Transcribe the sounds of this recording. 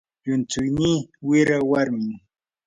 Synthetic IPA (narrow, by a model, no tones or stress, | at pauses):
jʊnt͡sʊjniːwɪɾawaɾmɪŋ